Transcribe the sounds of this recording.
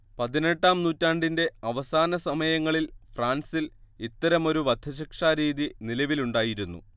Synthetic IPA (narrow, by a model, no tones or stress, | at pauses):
pɐðine̞ʈːaːmnuːtːaːɳɖinde̞ɐʋɐsaːnɐsɐmɐjɐŋːɐɭilfraːnsilit̪ːɐɾɐmo̞ɾuʋɐd̪ʱɐɕ̬ikʂaːɾiːðinilɐʋiluɳɖaːjiɾunːṵ